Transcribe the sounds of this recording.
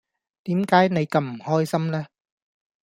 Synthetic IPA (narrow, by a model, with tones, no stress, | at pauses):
t̪iː˨˥mkaː˨˥jne˨˧jkɐ˧mm̩˨˩hɔː˥jsɐ˥mlɛː˥